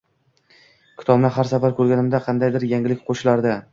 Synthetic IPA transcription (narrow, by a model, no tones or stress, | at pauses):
kʲʰɪ̥t̪ʰɒbnaɦaɾsafaɾkʰɵɾɡʲanɪmd̪aqʰɑnd̪ajd̪ɪɾjaŋɪlɪk̚ʲqʰoʃɪlaɾd̪a